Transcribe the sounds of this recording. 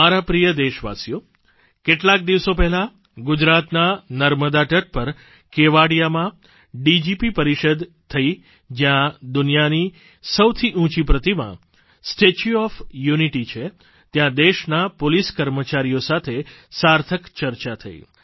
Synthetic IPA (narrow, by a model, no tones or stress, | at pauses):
aɾapɾijəd̪eʃʋa̰sjo | keʈlak̚d̪iʋsopɛɦɛla | ɡʊd͡ʒɾat̪nanəɾməd̪aʈəʈ̚pəɾ | keʋaɽijamã | ɖid͡ʒipipəɾiʃəd̪ | t̪ʰːəi | d͡ʒjãd̪ʊnijani | səwt̪ʰiʔũt͡ʃipɾət̪imã̰ | sʈet͡ʃuɔfjuniʈit͡ʃʰe | t̪jãd̪eʃnapoliskəɾmət͡ʃaɾijosat̪ʰesaɾt̪ʰəkt͡ʃəɾt͡ʃat̪ʰəḭ